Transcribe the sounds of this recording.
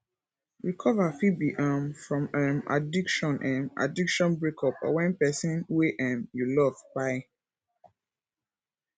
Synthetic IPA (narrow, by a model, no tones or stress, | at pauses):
ɹikʰɔvafibiʔamfɹɔ̃mɛ̃ma̰dikʃɔ̃nʔɛ̃ma̰dikʃɔ̃nbɹekʰɔpɔ̰wɛ̃npɛsĩnweʔɛ̃mjulɔvbaɪ